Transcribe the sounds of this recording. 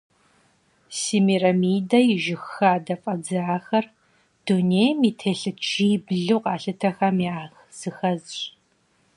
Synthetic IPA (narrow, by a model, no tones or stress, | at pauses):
simiːrɐmiːdɐjɪʒɪxːaːdɐfʼɐd͡zɨaːxɐr | d̥unejmiːtʰeːɬɨt͡ʃʰiːbɮuːqɑːɬɨtʰɐxɐmiaːxz̥ɨxɐzɕ